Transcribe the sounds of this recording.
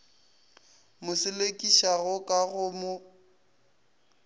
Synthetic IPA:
mʊsɪlekʼiʃaɣʊkʼaɣʊmʊ

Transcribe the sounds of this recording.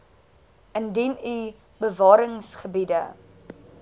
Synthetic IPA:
əndiny | bəvɑːɾəŋsχəbidə

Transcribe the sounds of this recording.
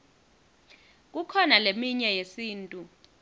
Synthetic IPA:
k̬ukʰɔnalemiɲɛjesiːntʼu

